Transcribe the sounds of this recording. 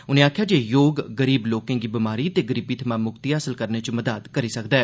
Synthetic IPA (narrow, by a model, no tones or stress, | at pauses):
ʊnẽːaːkʰjaːd͡ʒeːjoːɡːəɾiːbloːkẽːŋɡiːbɪmaːɾiːt̪eːɡəɾiːbiːt̪ʰəmãːmʊkt̪iːɦaːsəlkəɾneːt͡ʃməd̪aːd̪kəɾiːsəkd̪aɛː